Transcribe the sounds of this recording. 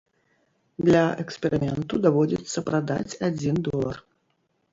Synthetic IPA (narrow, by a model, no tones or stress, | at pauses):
d̪lʲɐʔɛkspʲɛɾɨmʲɛnt̪ud̪avɔd͡zʲḭt̪sːɐpɾad̪a̰t͡sʲad͡zʲind̪ɔlˠɐ̰r